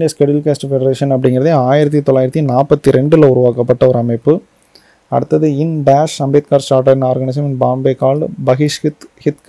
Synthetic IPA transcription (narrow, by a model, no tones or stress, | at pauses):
ɖjɐskɛɽɪlkeːsʈfɛɖɐɾeːʂɐnɐpːɐɽɪŋɡɪɾɐðeaːjɪɾɐt̪̬ːit̪ɔlːaːjɪɾɐt̪ːinaːpːɐt̪ːiɾɛɳɖɪlɐʊɾʊʋaːkɐpːɐʈːɐɔɾɯɐmɐɪpːɯ | ɐ̰ɽɯt̪ːɐðɯɪnbaːʂɐmbeːt̪̚kaːɾsʈaːɾʈɐɾɪnaːɾɡɐɳɪs̬ɐmɪnbaːmbeːkaːlbɐɣɪʂɪt̪hɪt̪k